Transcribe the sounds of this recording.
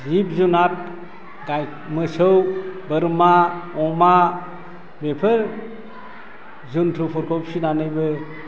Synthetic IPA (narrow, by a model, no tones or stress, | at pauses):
zip̚zunat̚ | ɡaj | mɯsɯwbɯɾmaɔma | bepʰɯɾ | zuntʰupʰɔɾkʰɔpsinanɯjbɯ